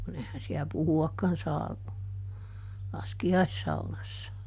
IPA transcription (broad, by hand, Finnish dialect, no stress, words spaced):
kun ehæn siæ puhuɑkːɑn sɑː lɑskiɑisːɑunɑsːɑ